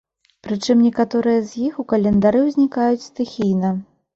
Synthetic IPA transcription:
pɾɨt͡ʂɨmnʲɛkat̪ɔɾɨjɐzʲjixukɐlʲɛnd̪aɾɨwzʲnʲikajut͡sʲst̪ɨxʲijnɐ

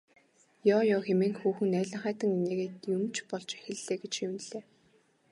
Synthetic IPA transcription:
jɔːjɔːxemeːŋxuːxɘ̆næːɮʲə̆ɴχæːt̪ə̆ŋineːɣeːt̪jɵmt͡ɕpɔɮt͡ɕæ̥xʲɘ̆ɮeːɡet͡ɕxiwɘ̆n̆ɮeː

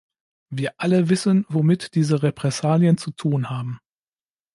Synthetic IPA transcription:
viːɐʔaləvɪsənvomɪtd̥iːzəʁepʁ̥ɛsaːljənt͡sutʰuːnhaːbm̩

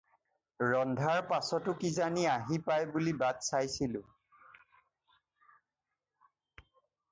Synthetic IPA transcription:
ɹɔndʱaɹpasɔtʊkizaniaɦipajbulibadsajsilʊ̰̃

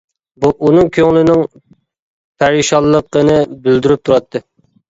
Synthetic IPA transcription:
buʔunɨŋkʲʰøŋlˠɪnɪŋ | pʰæɾiʃɑlˠːəqənɨbyld̪yɾyp̚t̪ʰuɾɑt̪ʰːɨ

